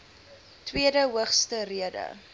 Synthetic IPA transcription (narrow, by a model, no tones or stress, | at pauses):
twiədəɦuəχstəriədə̰